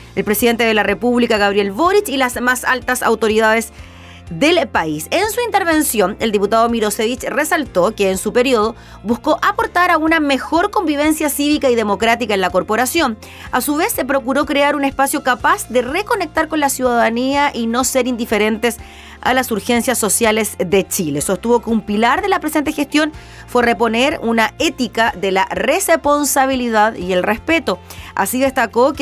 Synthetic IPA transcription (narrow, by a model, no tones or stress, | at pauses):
elpɾesiðent̪eð̞elarepuβlikaɣaβɾje̞lβoɾit͡ʃilasmasa̰lt̪asa̰wt̪o̞ɾiðaðes | ðelpaisensuint̪e̞ɾβe̞nsjo̞neld̪iput̪aðomiɾoseβit͡ʃresalt̪o̞keːnsupe̞ɾioð̞o̞ | busko̞ʔapoɾt̪aɾaunamexo̞ɾko̞mbiβe̞nsjasiβikaið̞e̞mo̞kɾat̪ikaenlako̞ɾpo̞ɾasjo̞n | asuβesːe̞p̬ɾo̞kuɾo̞kɾeaɾunespasjo̞kapasðereko̞nek̚t̪aɾko̞nlasjuðaðaniaʔino̞seɾind̪ife̞ɾe̞nt̪es | a̰lasuɾxe̞nsjasːo̞sjalezðet͡ʃile̞so̞st̪uβo̞keumpilaɾðe̞lapɾes̬ent̪exest̪jo̞n | fwerepo̞neɾunaet̪ikaðelarespo̞nsaβ̞iliðaðie̞lrespe̞t̪o̞a̰siðest̪akok